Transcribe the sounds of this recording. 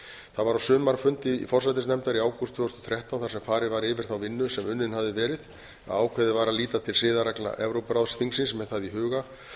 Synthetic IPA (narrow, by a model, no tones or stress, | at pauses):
θaðvaɾawsʏːmaɾfʏnt̪ɪḭfɔr̥sajt̪ɪsnɛmt̪aɾiaːwkʰɔst̪ʰvʏːɔst̪ɔθʰɾɛht̪awnθaɾsɛmfaːɾɪvaɾɪːvɪɾ̥θawvɪnːʏsɛmʏnːɪnhavðɪvɛːɾɪð | a̰ðaːwkʰvɛðɪvaːɾaliːt̪at̪ʰɪlsɪːðaɾakla̰ʔɛvɾowpɾawðsθiŋksɪnsmɛðθaðiɦʏːɣa